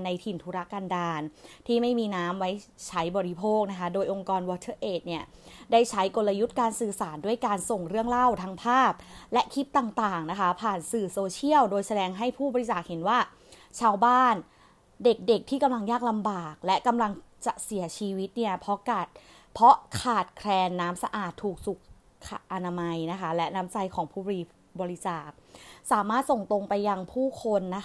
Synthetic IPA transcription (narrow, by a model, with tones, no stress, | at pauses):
na˧jt̪ʰi˨˩nt̪ʰu˦˥ɾa˦˥kaː˧ndaː˧nt̪ʰiː˥˩ma˥˩jmiː˧naː˦˥mwa˦˥jt͡ɕʰa˦˥jbɔː˨˧ɾi˦˥pʰoː˥˩k̚na˦˥kʰa˦˥doː˧jʔo˧ŋkɔː˧nwɔː˧t̪ʰɤː˥˩ʔeː˨˩t̪̚ni˥˩ɐda˥˩jt͡ɕʰa˦˥jko˧lːa˧ju˦˥t̪̚kaː˧nsɯː˨˩saː˩˦ndu˥˩əjkaː˧nso˨˩ŋɾɯ˥˩əŋɾa˥˩wt̪ʰa˦˥ŋpʰaː˥˩p̚lɛ˦˥ʔkʰi˦˥p̪̚t̪aː˨˩ŋt̪aː˨˩ŋna˦˥kʰa˦˥pʰaː˨˩nsɯː˨˩soː˧t͡ɕʰi˥˩əwdoː˧jsa˧dɛː˧ŋɦa˥˩jpʰuː˥˩bɔ˧ɾi˦˥saː˨˩k̚he˩˦nwaː˥˩ | t͡ɕʰaː˧wbaː˥˩n | de˨˩k̚de˨˩k̚t̪ʰiː˥˩ka˧mla˧ŋjaː˥˩k̚la˧mbaː˨˩k̚lɛ˦˥ʔka˧mla˧ŋ | t͡ɕa˨˩si˩˦ɐt͡ɕʰiː˧wi˦˥t̪̚ni˥˩ɐpʰɔ˦˥kaː˨˩t̪̚ | pʰɔ˦˥kʰaː˨˩t̪̚kʰɾɛː˧nːaː˦˥msa˧ʔaː˨˩t̪ʰːuː˨˩k̚su˨˩k̚ | kʰa˨˩ʔa˧na˧ma˧jna˦˥kʰa˦˥lɛ˦˥naː˦˥mt͡ɕa˧jkʰɔː˩˦ŋpʰuː˥˩bɔː˧ɾi˧ | bɔː˧ɾi˦˥t͡ɕaː˨˩k̚saː˩˦maː˥˩t̪̚so˨˩ŋt̪o˧ŋpa˧jːa˧ŋpʰuː˥˩kʰo˧nːa˦˥